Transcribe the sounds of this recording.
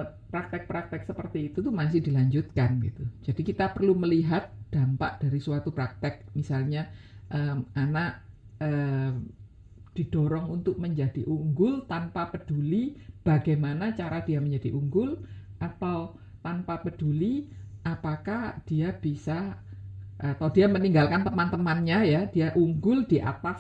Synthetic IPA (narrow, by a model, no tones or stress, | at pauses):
pɾak̚t̪ɛk̚pɾak̚t̪ɛk̚səpərt̪iːt̪ut̪umas̬ɪhd̥ilaɲd͡ʒʊt̪̚kanɡḭt̪ud͡ʒad̥ikit̪apərluməliɦat̪̚d̪̥ampa̰ʔd̥aɾisuwat̪upɾak̚t̪ɛk̚misalɲaʔəmʔanaʔ | ə | d̥id̥ɔɾɔŋunt̪ʊk̚məɲd͡ʒad̥iʔuŋɡʊlt̪anpapəd̥ulib̥aɡajmanat͡ʃaɾad̥iaməɲd͡ʒadiʔuŋɡʊlʔat̪aw | t̪anpapəd̥uliʔapakahd̥iab̥isa | ʔat̪awdiaməniŋɡalkant̪əmant̪əmanɲajadiaʔuŋɡʊld̥iʔa̰t̪as